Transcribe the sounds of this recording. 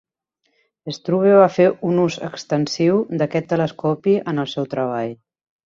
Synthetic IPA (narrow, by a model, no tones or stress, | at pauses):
est̪ɾuβeβ̞afeunuzə̰kst̪ənsiwd̪əkɛt̪ːələskɔpiʔənəlˠsɛwt̪ɾəβ̞aʎ